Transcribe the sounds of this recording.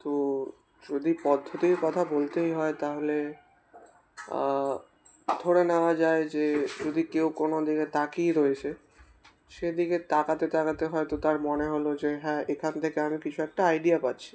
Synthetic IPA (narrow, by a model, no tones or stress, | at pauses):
t̪o | d͡ʑod̪ipɔd̪ʱːot̪iɾkɔt̪ʰabolt̪eiɦɔet̪aɦole | d̪ʱoɾeneoad͡ʑaed͡ʑed͡ʑod̪ikewkonod̪iɡet̪akijɾoet͡ɕʰe | ʃed̪iɡet̪akat̪et̪akat̪eɦɔet̪ot̪aɾmoneɦolod͡ʑeɦɛ̃ʔekʰant̪ʰekeamikit͡ɕʰuɛk̚ʈaajɖiapatːɕʰi̥